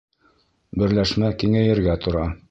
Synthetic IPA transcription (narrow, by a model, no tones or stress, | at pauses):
bɘ̆ɾlæʃmækiŋæjɘ̆ɾɡæt̪ŏɾɑ